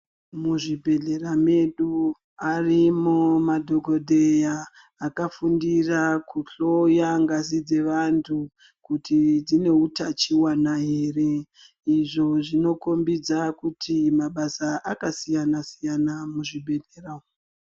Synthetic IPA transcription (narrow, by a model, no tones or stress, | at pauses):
muʐibʱe̞ɮeɾame̞ɗu | arimumadʱo̞ɡʱo̞dʱejaː | kafundirakuɬo̞jaŋɡazid͡ze̞ʋantʰu | kutʰid͡zine̞utat͡ʃiwanaɦeːre | iʐo̞ʐino̞ko̞mbid͡zakutʰimaɓasaʔakasijanasijanamuʐibʱe̞ɮeːra